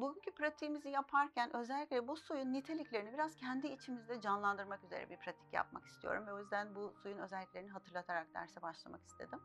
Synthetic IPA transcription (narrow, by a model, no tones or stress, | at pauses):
buɟʲyncʰypɾat̪ʰimizijapʰaɾcʰænø̞zɛlʲːicʲlʲɛbusujunːit̪ʰe̞lʲiclʲe̞ɾinibiɾaz̥cʰɛnd̪iːt͡ʃʰimizd̪ɛd͡ʒanlˠand̪ɯɾmakyze̞̰ɾɛ̰biɾpʰɾat̪ʰi̥cja̰p̚ma̰ki̥st̪ʰijo̰ɾumvɛo̞jyzd̪ænbusujunø̞zɛlʲːicʲlʲeiniɦat̪ʰɯɾlˠat̪ʰaɾak̚d̪æ̰ɾsɛbaʃlˠa̰maki̥st̪ʰe̞̰d̪im